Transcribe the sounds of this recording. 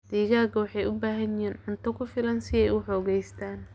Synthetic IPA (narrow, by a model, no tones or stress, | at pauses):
d̪̥iːɣaːɡɐwɑħɑjʊbaːɦɐnɪɦiːnʕʊnt̪ʰɔkʰʊfɪlɐnsɪɛjʊħɔːɣɛjst̪ʰaːn